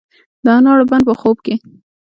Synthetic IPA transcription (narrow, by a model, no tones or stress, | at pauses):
d̪ɑnɑɽoband̪̚pəxob̚ke